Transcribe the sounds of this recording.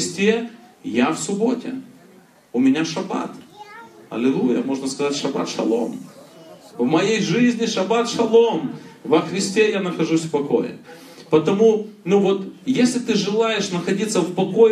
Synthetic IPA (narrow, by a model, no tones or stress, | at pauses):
sʲtʲejafsʊbo̞tʲɪ̰ | ʊmʲɪnʲaʂɐba̰t̪ | ɐ̰lʲɪlˠujəmo̞ʐnɐskɐzatʲʂɐba̰t̪ʂɐ̰lˠo̞̰m | vmɐjejʐɨzʲnʲɪʂɐbat̪ʂɐlˠo̞mvɐxɾʲɪsʲtʲe̞janɐxɐʐusʲfpɐko̰jɪ̰ | pɐt̪ɐmunuvo̞t̪jesʲlʲɪt̪ɨʐɨlˠajɪʂnɐxɐdʲit̪səfpɐko̞